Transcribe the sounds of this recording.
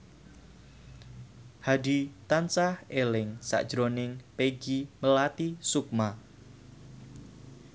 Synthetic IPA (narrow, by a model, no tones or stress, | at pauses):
hadit̪ant͡ʃahelɪŋsa̰ʔd̥ʒ̥ɾonɪŋpeɡiməlat̪isuk̚ma